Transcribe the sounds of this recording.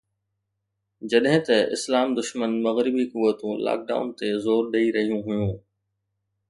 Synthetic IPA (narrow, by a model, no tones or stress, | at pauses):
d͡ʑɐɗɦɪ̃t̪ɐʔɪ̰slaːmd̪ʊʃmənmɐɣɾɪbikʊʋːət̪ũla̰ːk̚ɖa̰ːʊnt̪ezoːɾɗɐiɾɐɦijũɦʊjũː